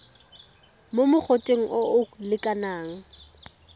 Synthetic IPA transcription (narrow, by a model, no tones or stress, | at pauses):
momʊk͡xʰotʼeŋ̩ʔoʔʊlɪkʼanaːŋ̩